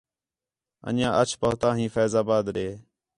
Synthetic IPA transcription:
ə̰nãːʔət͡ʃʰpəɦt̪ãːɦĩːfɛːzaːbaːd̪ɾeː

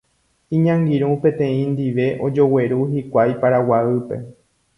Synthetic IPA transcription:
ĩɲãŋɡiɾũpẽ̞t̪ẽ̞ĩnd̪iʋe̞ʔo̞d͡ʒo̞we̞ɾuɦikʷajpaɾawaɨpe̞̰

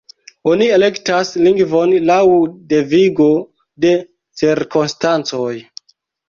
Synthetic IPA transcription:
oniele̞ktasliŋɡvo̞nlawde̞viɡo̞ | de̞ | t͡siɾkonstant͡so̞j

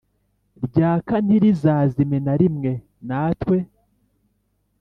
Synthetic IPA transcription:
ɾɟaːkan̥hiɾizaːzimenaɾimŋe̞ | naːtwe̞

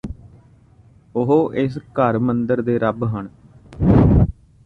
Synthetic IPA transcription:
ʊɦoːʔɪskəɾmənd̪əɾd̪eːɾəbɦəɳ

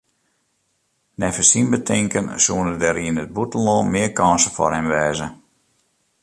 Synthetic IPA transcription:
nɛfəsinbətʰɪŋkənsuənədɛɾiənət̚butən̩lɔːmɪəkɔnsəfɔ̰rhɛmʋɛːzə

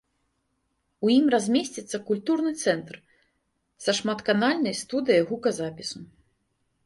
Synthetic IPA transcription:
ujimrazʲmʲesʲt͡sʲit̪sːɐkulʲt̪urnɨt̪sɛnt̪r | sɐʂmat̪kanalʲnɐjst̪ud̪ɨjɐjɣukɐzapʲisu

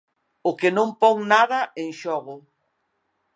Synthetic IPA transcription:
ʊkenõmpoŋnaðaẽŋʃɔɣʊ

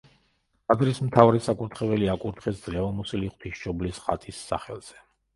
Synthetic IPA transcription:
azɾismt̪ʰavɾɛsakʼuɾt̪ʰχɛvɛliakʼuɾt̪χɛsd̪zlɛvamusiliχwt̪ʰiʃʃɔblisχa̰t̪ʼisːa̰χɛlˠz̥ɛ

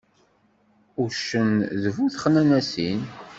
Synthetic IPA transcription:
uɾʃənðəvuθχnænæsin

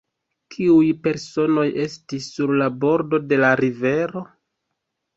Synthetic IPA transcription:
kʰiujpe̞ɾso̞no̞je̞stisːuɾlabo̞ɾdo̞de̞laɾive̞ɾo̞

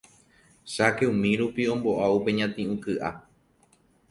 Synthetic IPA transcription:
ʃakeũmĩɾupiõ̞mbo̞ʔaupe̞ɲãt̪ĩʔũkɨʔa̰

